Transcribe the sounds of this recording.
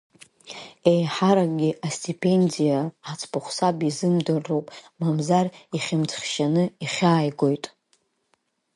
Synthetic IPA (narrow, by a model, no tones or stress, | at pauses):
ejħaɾaɡʲɪʔastʰʼipʰʼe̞ndijaat͡sʰpʰʊχʷsabizɨmdɨrːowpʼmamzariχʲɪmt͡sʰχʲʃanɨiχʲaːjɡo̞jtʼ